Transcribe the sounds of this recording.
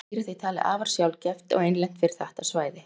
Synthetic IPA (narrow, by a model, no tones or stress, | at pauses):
ɾɪθejt̪ʰaːlɪ̰ʔaːvaɾ̥sjawlcɛft̪ɔ̰ɣejnlɛn̥t̪fɪɾɪ̥ɾ̥θaht̪asvaːjðɪ